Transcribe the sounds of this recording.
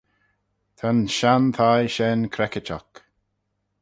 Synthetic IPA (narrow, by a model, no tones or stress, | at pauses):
t̪ʰanʃant̪ʰajʃɛnkʰɾɛkɪt͡ʃɔ̰k